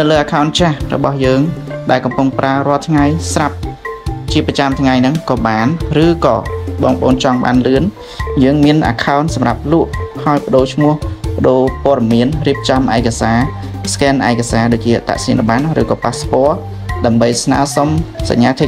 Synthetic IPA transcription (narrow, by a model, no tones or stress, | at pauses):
nɨwləːʔakʰaɔnt͡ɕahrɔ̰ɓɑhjəːŋ | ɗaɛlkɑmpuŋpraəɾŏəlt̪ʰŋajsrap̚t͡ɕiəprɑt͡ɕamt̪ʰŋajnɨŋkɑːɓaːnrɨːkɑ̰ːɓɑːŋkəʔo̰ːnt͡ɕɑŋɓa̰ːnlɨən | jəːŋmiənʔa̰ːkʰaɔnsɑmrap̚luəʔhaɔjpə̆ɗoːt͡ɕʰmŭəhpə̆ɗoːpŏəɗɑmiənriəp̚t͡ɕɑmʔaɛkasaː | skɛːnʔa̰ɛkasaːɗoːc̚t͡ɕiəʔat̪a̰ʔsiənɗoɓanrɨ̰ːkɑːpaːspɔ̆ə | ɗaəmɓəjsna̰ːsomsa̰ɲːaːt̪ʰɨ